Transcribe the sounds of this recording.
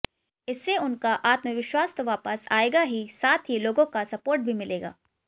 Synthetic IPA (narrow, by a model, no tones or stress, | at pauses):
ɪsːeʊnkaʔaːt̪məʋɪʃwaːst̪oʋaːpəsa̰ːeːɡaɦisaːt̪ʰɦiloːɡõkasɐpoːɾʈ̚bʱimɪleːɡa̰ː